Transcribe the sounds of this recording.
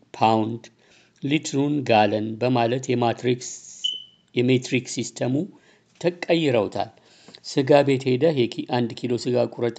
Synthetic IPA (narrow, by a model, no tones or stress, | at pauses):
pʰawnd̪ | lit̪ɾunɡalənbəmalət̪jɛmaɾik | jɛmet̪ɾiksist̪ʰəmu | t̪ʰəkʼːəjːɪɾəwt̪ʰa̰l | sɨɡabet̪ʰhed̪əɦjɛkʰiʔand̪kʰilo̞sɨɡakʼuɾət̪ʼ